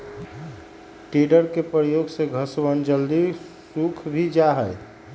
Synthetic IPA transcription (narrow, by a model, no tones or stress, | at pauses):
ʈeɖəɾkepɾəjoɡseɡʱəswənd͡ʒəld̪i | sukʰbʱid͡ʒaɦəj